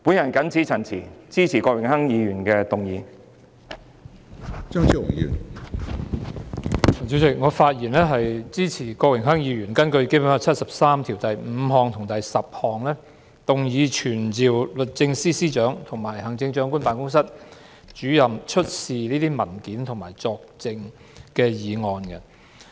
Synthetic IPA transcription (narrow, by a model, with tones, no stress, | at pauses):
pu˨˥njɐ˨˩nkɐ˨˥nt͡sʰiː˨˥t͡sʰɐ˨˩nt͡sʰiː˨˩t͡siː˥t͡sʰiː˨˩kɔː˧k̚wɪ˨˩ŋhɐ˥ŋjiː˨˧ɥyː˨˩nkɛ˧t̪ʊ˨ŋjiː˨˧ | t͡ʃœː˥ŋt͡ʃʰy˨˥wʊ̰˨˩ŋjy˨˩n˨˩ | t͡si˨˥ɪ˨˩k̚ŋɔː˨˧faː˧t̚jiː˨˩nlɛː˥ɦɐ˨jt͡siː˥t͡sʰiː˨˩kɔː˧k̚wɪ˨˩ŋɦɐ˥ŋjiː˨˧ɥyː˨˩nkɐ˥nkɵ˧ɥke˥pʊ˨˥nɔ˧t͡sʰɐ˥t̚sɐ˨p̚saː˥mt̪ʰiː˨˩wt̪ɐ˨jm̩˨˧ɦɔː˨ŋt̪ʰʊ˨˩ŋt̪ɐ˨jsɐ˨p̚hɔː˨ŋlɛ˥ | t̪ʊ˨ŋjiː˨˧t͡ʃʰyː˨˩nt͡siː˨wlɵ˨t̚t͡sɪ˧ŋsiː˥siː˥t͡ʃœː˨˥ŋt̪ʰʊ˨˩ŋmaː˨˩jɦɐ˨˩ŋt͡sɪ˧ŋt͡ʃœː˨˥ŋku˥npaː˨nkʊ˥ŋsɐ˥t̚ | t͡ʃyː˨˥jɐ˨mt͡ʃʰɵ˥t̚siː˨niː˥t̪iː˥mɐ˨˩nkiː˨˥nt̪ʰʊ˨˩ŋmaː˨˩jt͡sɔː˧k̚t͡sɪ˧ŋ | kɛː˧jiː˨˧ŋɔː˨˧nkɛ˧